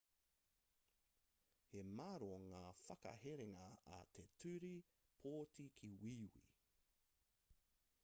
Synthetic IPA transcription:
hemaɾoŋaːfɐkɐ̰heɾeŋɐɐ̰t̪ʰetʰʉɾi | pʰoːtikʰiwiːwḭ

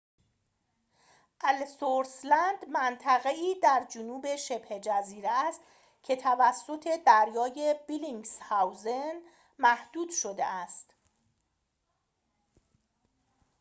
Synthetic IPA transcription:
ʔælsoɾslænd̪mænt̪ʰæɣe̞iːd̪æɾd͡ʒonuːbe̞ʃe̞b̥he̞d͡ʒæziːɾeæst̪ | cʰe̞t̪ʰævæsːo̞t̪ʰe̞d̪æɾjɒːje̞biliŋɡshæwzen | mæhd̪̥uːd̪̥ʃo̞d̪e̞̰æst̪

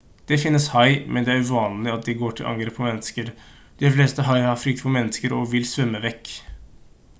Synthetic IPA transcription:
d̪̥ɛfɪnːəshɑɪmʔɛnd̪ɛæɾʉʋɑːnlɪɑt̪̚d̪ɪɡoːʈʰɪlʔɑ̰ŋɡɾeːpʰːɔmɛnːəskəɾ | d̪̥ɪfleːst̪əɦɑɪhɑɾfɾʏkt̪pʰɔmɛnːəskəɾɔʋɪlsʋʉmːəʋɛkː

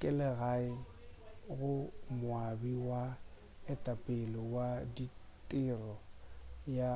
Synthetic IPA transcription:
kʼɛlɛɣaɪ | ɣʊmʊabiwa | ɛtʼapʼɪlɔwaditʼɪrɔja

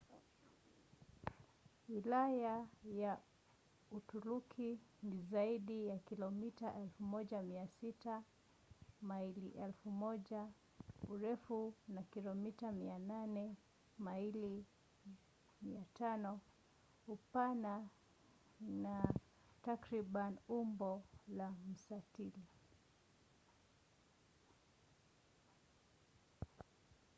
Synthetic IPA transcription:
wilajaja | utuɾukʰinizaiɗijakilɔmitaʔɛlfumɔʄamiasita | mailiʔɛlfumɔʄa | uɾɛfunakilɔmitamiananɛ | maili | miatanɔ | upana | na | takɾiɓanumbɔlam̩satili

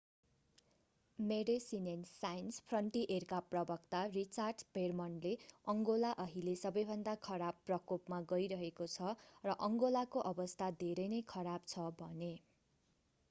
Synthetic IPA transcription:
meɾesinensajnspʰrʌɳʈiʔerkaprʌbʌkt̪arit͡sarɖpermʌnleʌŋɡolaʔʌɦilesʌbʌjbʱʌnd̪akʰʌɾabpːrʌkopmaɡʌjɾʌɦekot͡sʰʌrʌʔʌŋɡolakoʔʌbʌst̪ʰad̪ʱeɾʌjnʌjkʰʌɾabt͡sʰʌbʱʌne

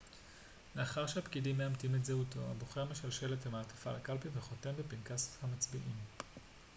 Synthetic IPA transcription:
le̞aχaʁʃeapkidimːeamtimetzeuto̞̰a̰boχeame̞ʃalʃe̞letemaːtḁfa̰lakalpimveχo̞te̞mbepinkashamat͡sbiʔim

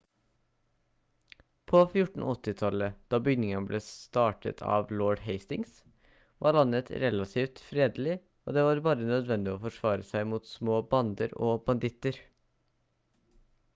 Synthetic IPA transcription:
pʰoːfjʊʈɳ̩ɔt̪ːɪt̪ʰɑləd̪̥ɑːbʏɡnɪŋənblʔeːst̪ɑːʈə̰t̪ʰɑ̰ːʋlɔːɖɦeɪst̪ɪŋs | ʋʔɑ̰ːɭɑnːət̪ɾɛlɑt̪ʰiːft̪fɾeːd̪əl̩ɪ | oːd̪eːʋɑːɾbɑːɾənœd̪ʋɛnd̪ɪoːfɔʂʋɑːɾəsæɪmuːt̪smoːbɑnd̪əɾoːbɑnd̪ɪt̪əɾ

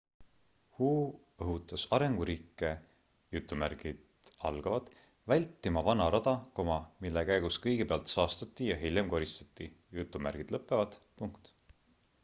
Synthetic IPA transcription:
huː | ɤɦut̪ːˑɑsɑɾe̞ŋɡ̥uɾiːkːe̞ | jut̪ːˑumærɡ̥id̪ɑ̰lɡ̥ɑvɑd̪̥ | vælʲt̪ːimɑvɑnɑɾɑd̪̥ɑko̞mɑmilːekæjɡ̥uskɤjɡ̥epeɑlt̪sɑːst̪ɑt̪ːˑijɑɦilʲjemko̞ɾist̪ɑ̥t̪ːˑi | jut̪ːˑumæ̰rɡ̥id̪̥lɤpːˑe̞vɑd̪̥puŋkt̪

